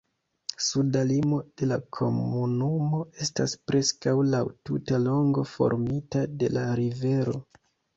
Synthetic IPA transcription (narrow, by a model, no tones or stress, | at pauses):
sudalimo̞d̥e̞lakʰo̞̰munumo̞e̞staspɾʔe̞skawlawtutalo̞ŋɡo̞fo̞̰ɾmitade̞laɾive̞ɾo̞